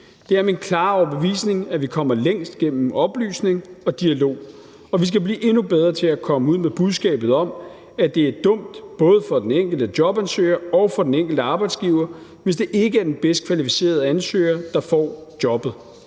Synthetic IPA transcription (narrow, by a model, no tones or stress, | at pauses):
d̥e̝æɐminkʰlɑ̈ːɒb̥eʋḭːsne̝ŋæʋikʰɒ̽m̰ɐleŋ̰sd̥ɡ̥en̰m̩ɒ̽b̥ly̰ːsne̝ŋɒ̽d̥iælo̝̰ː | ɒ̽ʋis̬ɡ̥æb̥liːʔe̝nub̥eð̞ˠʁɐt͡sʰe̝ækʰɒ̽məuð̰ˠmeb̥uðˠsɡ̥ɛ̰ːb̥ð̞̩ˠɒ̽m | æd̥e̝æɐd̥ɔ̽m̰d̥b̥ɔ̽ːð̞ˠəfɒ̽d̥eneŋ̰ɡ̥l̩d̥ədjɒ̽b̥ænsø̰ːɪɐɒ̽ʊfɒ̽d̥eneŋ̰ɡ̥l̩d̥əɑ̈ːb̥ɑ̈ɪd̥sɡ̥iːʊɐ | ʋe̝s̬d̥e̝ʔe̝ɡ̥əæɐd̥enb̥esd̥kʰʋælifise̝̰ːɐð̞̩ˠænsø̰ɪɐd̥ɑ̈fɒ̰ːd̥jɒ̽b̥ð̩ˠ